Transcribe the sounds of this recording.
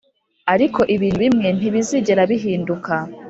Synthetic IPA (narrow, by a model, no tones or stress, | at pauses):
aɾiko̞ʔiβiːnhuβimŋe̞n̥iβiziɟe̞ɾaβiɦiːnduka